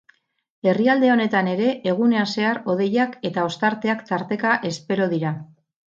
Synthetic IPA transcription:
e̞riald̪e̞o̞ne̞t̪ane̞ɾe̞ʔeɣ̞une̞ase̞aɾo̞ð̞e̞jake̞t̪ao̞st̪aɾt̪e̞akt̪aɾt̪e̞kaʔe̞spe̞ɾo̞ðiɾa

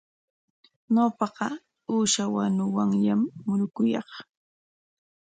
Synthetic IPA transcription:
ɲopɑqɑ | uːʃawanʊwaŋjamːʊɾʊkʊjɑ̰χ

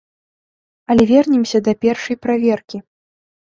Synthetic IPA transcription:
ɐlʲɛvʲɛrnʲɛmsʲɐd̪ɐpʲɛrʂɐjpɾavʲɛrkʲi

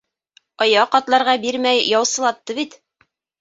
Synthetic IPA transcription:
ɑjɑqɑt̪lˠɑɾʁɑbiɾmæjjɑwsɤ̆lˠɑt̪ːɤβit̪

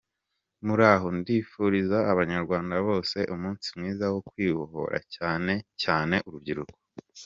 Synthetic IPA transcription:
muɾaːɦo̞ndiːfuɾizaːβaɲaɾɡwaːndaβo̞ːse̞ʔumuːnsimŋiːzawokwiːβoho̞̰ɾʔa̰caːne̞caːne̞ʔuɾubɟiɾuko̥

